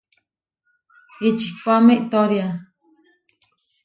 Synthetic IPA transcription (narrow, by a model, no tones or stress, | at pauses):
it͡ʃikʷamẽʔt̪oɾja